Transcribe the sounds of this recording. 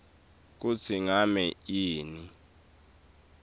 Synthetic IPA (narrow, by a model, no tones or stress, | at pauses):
k̬ut͡sʰiŋamɛiːni